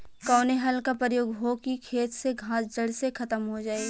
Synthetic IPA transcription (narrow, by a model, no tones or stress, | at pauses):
kɔːneɦɐlkapɾəjoːɡɦokikʰeːt̪seɡʱãːsd͡ʒɐɽsekʰɐt̪əmɦod͡ʒaːeɡ